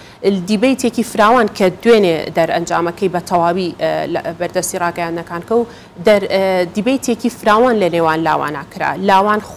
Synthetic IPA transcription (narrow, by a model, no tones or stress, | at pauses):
d̪iːbɐjt̪ʰekifɾaːwaːnkʰɐd̪wened̪ɐɾɐ̰nd͡ʒa̰ːmɐkɐjbɐt̪ʰɐwaːwilbɐɾd̪ɐst̪irɑːɡɐjãnd̪nɐkaːnkɐw | d̪ɐɾd̪iːbɐjt̪ʰekifɨɾaːwanlɐneːwaːnla̰ːwa̰ːna̰ːkɨɾa̰ːlaːwaːn